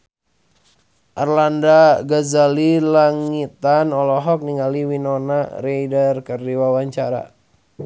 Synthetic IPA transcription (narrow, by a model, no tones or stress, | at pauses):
ʔarlandaɡazalilaŋit̪anɔlɔɦɔk̚niŋaliwinɔna̰rejdərkərdiwawaɲt͡ʃaɾa̰